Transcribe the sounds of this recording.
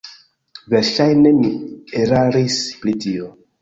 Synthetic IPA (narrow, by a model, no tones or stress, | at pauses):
veɾʃajnemieɾaɾispɾitio